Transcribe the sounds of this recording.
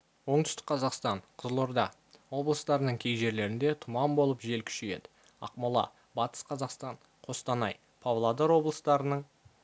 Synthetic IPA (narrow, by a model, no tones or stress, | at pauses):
wo̞ɴt̪ʏ̥st̪ɪ̥k̚qʰɑzɑqst̪ɑɴqʰəzəlˠo̞ɾd̪ɑ | wo̞blˠəst̪ɑɾənəɴkʲʰe̞jʒe̞ɾle̞ɾɪnd̪e̞t̪ʰʊmɑmbo̞lˠəpʒe̞lkʲʰʏ̥ʃeje̞d̪ɪ | ɑ̰qmɑlˠɑ̰ | bɑt̪ə̥sqʰɑzɑqst̪ɑɴ | qʰo̞st̪ɑnɑj | pʰavlˠad̪oɾwo̞blˠəst̪ɑɾənəɴ